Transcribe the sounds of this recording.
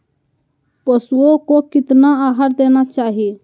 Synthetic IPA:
pəsuokokɪt̪naaːɦaɾ̚d̪eːnat͡ʃaːɦie

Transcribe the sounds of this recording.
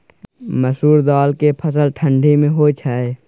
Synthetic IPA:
məsuːɾd̪aːlkepʰəsəlʈʰə̃ɳɖʱimẽɦot͡ʃʰaːe

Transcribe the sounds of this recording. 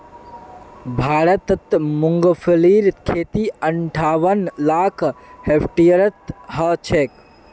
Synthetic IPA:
bʱaːɾət̪t̪muŋɡpʰəliːɾkʰeːt̪iəɳʈʰaːʋənlaːkʰhepʰʈijəɾət̪ɦət͡ʃʰek

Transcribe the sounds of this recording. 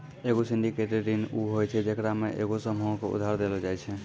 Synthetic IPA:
eɡosiɳɖikeʈeɖinuɦojt͡ʃʰɛd͡ʒekɾameʔḛɡosəmʱoõkeṵd̪ʱaɾd̪elɔd͡ʒajt͡ʃʰɛ

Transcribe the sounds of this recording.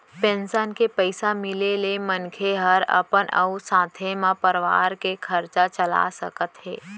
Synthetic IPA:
pẽːnsənkepəɪsamɪlelemənkʰeɦəɾə̰pənʔə̰usãːt̪ʰemãpəɾʋa̰ːɾkekʰəɾt͡ʃat͡ʃəla̰sə̰kət̪ɦḛː

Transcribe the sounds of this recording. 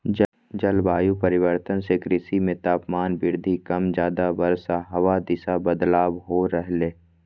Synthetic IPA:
d͡ʒ | d͡ʒɐlbaːjupəɾɪʋəɾt̪ənsekɾɪsimẽt̪aːpmaːnbɪɾd̪ʱikɐmd͡ʒjaːd̪abɐɾsaɦɐʋad̪ɪsabəd̪laːbɦoɾəɦleː

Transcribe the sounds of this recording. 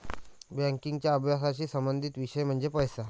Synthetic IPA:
bæ̃ŋkiŋɡt͡ɕjaəbʱjasat͡ɕiːsəmbənd̪ʱit̪ʋiɕəjm̤əɳd͡zepəjsa

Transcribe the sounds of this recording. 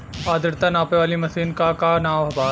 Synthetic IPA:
aːd̪ɪɾt̪ɐnaːpeʋaːlimɐsiːnkakanaːʋɐbaː

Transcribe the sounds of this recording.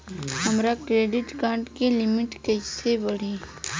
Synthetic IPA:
həmɾakɾeːɖɪʈkãːʈkilɪmɪʈket͡ʃsebəɽ̤i

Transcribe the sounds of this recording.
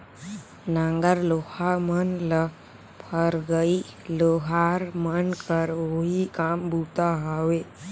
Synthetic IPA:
nãŋɡəɾlohamənlə | pʰəɾɡəiloɦaːɾmənkəɾoɦikaːmbʱut̪aɦawe

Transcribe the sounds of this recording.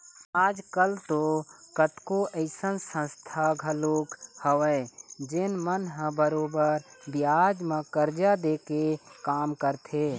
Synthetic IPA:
aːd͡ʒkəlt̪okət̪koəɪsənsə̃st̪ʰaɡʱəlokhəwəɪd͡ʒɪnmənɦə̃bəɾoːbəɾbjad͡ʒmẽkəɾd͡ʒad̪eːkekaːmkəɾt̪ʰe

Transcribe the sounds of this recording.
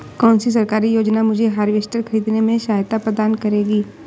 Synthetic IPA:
kɔːnsis̬ɐɾkaːɾijoːd͡ʒnamʊd͡ʒʱeɦaːɾʋeːʃʈəɾxʰɐɾiːd̪nemẽʃaːjt̪apɾəd̪aːnkɐɾeːɡiː

